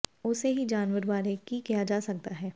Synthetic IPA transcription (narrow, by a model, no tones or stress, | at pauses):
ʊseɦid͡ʒaːnʋəɾbaːɾekikijad͡ʒaːsɐk̚t̪aɦɛː